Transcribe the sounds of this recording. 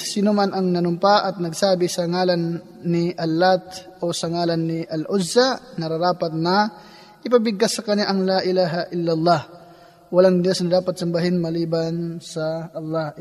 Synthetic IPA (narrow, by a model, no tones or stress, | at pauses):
sɪnumanɐŋnɐnʊmpaʔɐt̪̚nɐɡsaːbɪsɐŋaːlɐnː | ɪʔɐlːat̪ʔosɐŋaːlɐnːɪʔɐlʔʊzːanɐɾɐɾaːpɐt̪̚nɐ | ʔɪpɐbɪɡasːɐkɐnaʔɐŋlaʔɪlaːɦaʔɪlːɐlˠˤːɑh | wɐlaŋd̪josnɐd̪aːpɐt̪̚sɐmbaɦɪnmɐliːbansɐʔːlˠːɑh